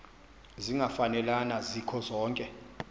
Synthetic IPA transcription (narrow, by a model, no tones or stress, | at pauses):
ziŋafanɛlanazikʰɔzɔːŋkʼɛ